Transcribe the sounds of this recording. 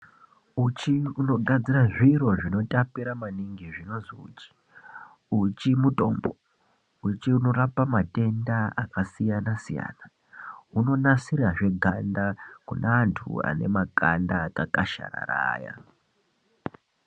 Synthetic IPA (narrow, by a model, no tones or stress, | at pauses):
ut͡ʃiuno̞ɡʱad͡ziraʐiɾo̞ʐino̞tapiɾamaniŋɡiʐino̞ziṵt͡ʃi̥ | ut͡ʃimuto̞ːmbo | ut͡ʃiuno̞rapamate̞ndaakasijanasija̰ːna | uno̞nasiraʐe̞ɡʱandakunaːntʰṵa̰ne̞̰makandakakaʃa̰ɾa̰ɾa̰ːja̰